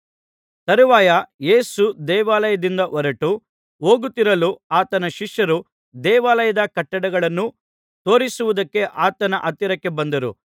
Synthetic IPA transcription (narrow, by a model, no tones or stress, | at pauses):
t̪ɐɾuʋaːjɐje̞ːsud̪ɛːʋaːlɐjɐd̪ind̪ɐʔɔɾɐʈu | o̞ːɡut̪ːiɾɐluaːt̪ɐnɐʃiʂjɐɾu | d̪ɛːʋaːlɐjɐd̪ɐkɐʈːɐɽɐɡɐɭɐnːu | t̪o̞ːɾisuʋud̪ɐkːe̞ʔaːt̪ɐnɐʔɐt̪ːiɾɐkːe̞bɐnd̪ɐɾṵ